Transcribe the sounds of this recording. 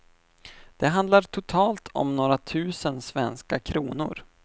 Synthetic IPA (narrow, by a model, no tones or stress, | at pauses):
d̪̥ɛɦand̪laʈʰʊt̪ʰɑːlt̪ʰɔ̰mnoːɾat̪ʰʉ̟ːsənsvɛnskakʰɾuːnʊ̰ɾ